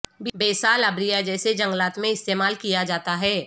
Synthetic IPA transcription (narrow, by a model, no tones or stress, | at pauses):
bbeːsaːlabɾijad͡ʒɛːsed͡ʒɐ̃ŋɡlaːt̪mẽɪst̪eːmaːlkijad͡ʒaːt̪aɦɛː